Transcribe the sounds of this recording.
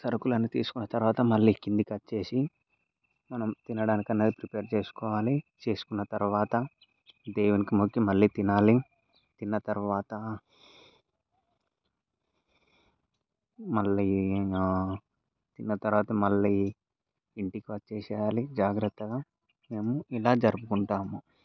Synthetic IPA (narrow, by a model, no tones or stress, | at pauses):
sɐɾɐkulɐnːit̪iːsu̥kunːɐt̪ɐɾuʋaːt̪ɐmɐɭːiːkind̪ikɐtːt͡ʃe̞ːsi | mɐnɐmt̪inɐɽaːnikɐnːeːd̪ipɾipeːɾt͡ʃeːsu̥kɔːʋaːlit͡ʃe̞ːsu̥kunːɐt̪ɐɾuʋaːt̪ɐ | d̪eːwunikimukʰjɐmɐɭːiːt̪inaːli | t̪inːɐt̪ɐɾuʋaːt̪ɐ | mɐɭːiː | t̪inːɐt̪ɐɾuʋaːt̪ɐmɐɭːiː | ɳʈikiʋɐt͡ʃeːsːjaːlid͡ʒaːɡɾɐt̪ːɐɡaː | me̞ːmuilaːd͡ʒɐɾupukuɳʈaːmu